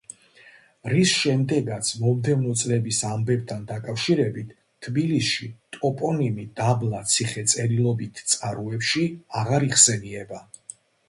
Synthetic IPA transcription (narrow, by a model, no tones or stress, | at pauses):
ɾisʃɛmd̪ɛɡat̪sʰmɔmd̪ɛvnɔt̪sʼlɛbisambɛb̚t̪ʰand̪akʼafʃiɾɛbit̪ʰːbilisʃit̪ʼɔpʼɔnimid̪̥ablˠat̪sʰiχɛt̪sʼɛɾilˠɔbit̪ʰt̪sʼaɾuɛpʃiaʁaɾiχsɛniɛba